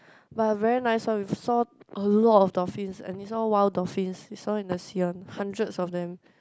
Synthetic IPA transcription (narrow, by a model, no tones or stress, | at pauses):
batvɛɹinaɪsawisɔʔəlɔtɔfdɔfĩnsɛ̰̃nhisɔwaɪldɔfĩnshisɔĩndəsiɔ̃nhãndɹətsɔfdɛ̃m